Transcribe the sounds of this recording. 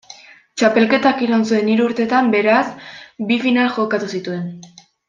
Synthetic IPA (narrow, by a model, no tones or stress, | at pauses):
t͡ʃape̞lke̞t̪akiɾonsue̞niɾuuɾt̪e̞t̪ambe̞ɾasbifinalxo̞kat̪usit̪ue̞n